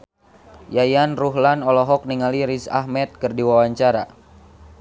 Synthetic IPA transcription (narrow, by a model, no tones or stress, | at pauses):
jajanruɦlanɔlɔɦɔk̚niŋaliɾisa̰ɦmɛt̪̚kɨrdiwawaɲt͡ʃaɾa̰